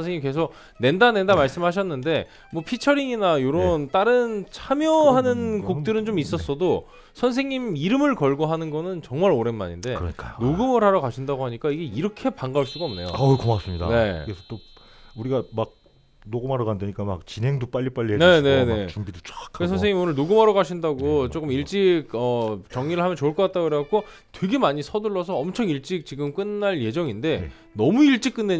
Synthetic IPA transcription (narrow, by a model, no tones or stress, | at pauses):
ʌnsʰeŋɲimke̞sʰok̚ | ne̞ndane̞ndamaɭs͈ɯmɦaɕ̬ʰʌnːɯnde̞ | mwʌpʰit͡ɕʰʌɾiŋinajoɾʌnt͈aɾɯnt͡ɕʰamjʌɦanɯnkok̚t͈ɯɾɯnt͡ɕomis͈ʌs͈ʌdo | sʰʌnsʰe̞ŋɲimiɾɯmɯɭkʌɭɡoɦanɯnɡʌnɯnt͡ɕʌŋmaɾoɾe̞nma̰ɲinde̞̰kɯɾ̰ɲik͈a̰jonoɡɯmɯɾɦaɾakaɕʰindaɡoɦaɲik͈aiɡe̞iɾʌkʰe̞paŋɡaɯɭs͈uɡaʌmne̞jo̰akomas͈ɯmɲida̰ne̞ɯɡesʰʌt͈o | uɾiɡamak̚ | noɡɯmaɾʌkandeɲik͈ama̰k̚t͡ɕinɦe̞ŋdop͈aʎːip͈aʎːiɦenene̞ne̞t͡ɕumbidot͡ɕak͈ʰaɯesʰʌns̬ʰeŋimionɯɭnoɡɯmɦaɾʌɡaɕʰindaɡot͡ɕok͈ɯmiɭt͡ɕ͈iɡ̚ʌt͡ɕʌŋɲiɾɯɭɦamjʌnt͡ɕoɯɭk͈ʌk͈at̚t͈aɡoɾeak͈o | twe̞ɡe̞maɲisʰʌdɯɭːʌs̬ʰʌːmt͡ɕʰʌŋiɭt͡ɕ͈ik̚t͡ɕiɡɯmk͈ɯnːaɭje̞d͡ʑʌŋinde̞ | nʌmuiɭt͡ɕ͈ik͈̚ɯnːe